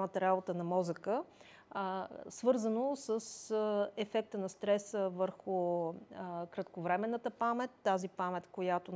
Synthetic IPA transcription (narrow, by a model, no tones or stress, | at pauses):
mət̪əɾabot̪ənɐmɔzəkə | svɤɾzənosəsɛfɛk̚t̪ənɐst̪ɾɛsəvəɾxʊ | kɾɐt̪kovɾɛmɛnːət̪əpamɛt̪ːazipamɛt̪kojat̪o